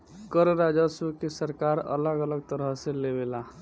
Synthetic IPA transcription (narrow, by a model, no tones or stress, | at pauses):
kəɾɾad͡ʒasukesəɾkaɾə̰ləɡələɡ̚t̪əɾəɦselebela